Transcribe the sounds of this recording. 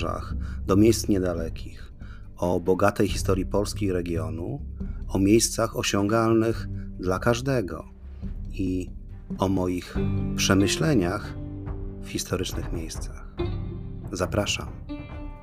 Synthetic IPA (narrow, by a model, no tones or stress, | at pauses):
a̰xd̪ɔmʲjejst̪sɲɛd̪alɛkʲʰix | ɔbɔɡat̪ɛjxʲist̪ɔɾjipɔlskʲiɾɛɡʲjɔnuɔmʲjejst̪saxɔɕɔŋɡalnɘxd̪lakaʐd̪ɛɡɔ̰ | i | ɔmɔjixpʂɛmɘɕlɛɲax | fxʲist̪ɔɾɘt͡ʂnɘxmʲejst̪sax | zapɾaʂa̰m